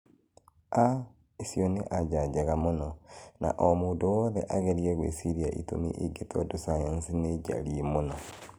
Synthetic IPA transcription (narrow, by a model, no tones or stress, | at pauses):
a | isjoneʔaɟaɟeɣamunona̰ʔomuːnduwoðḛʔaɣeɾieɣwḛsiɾiaʔḭtṵmḭʔiɡetʰodusajansineɟa̰ɾiimuno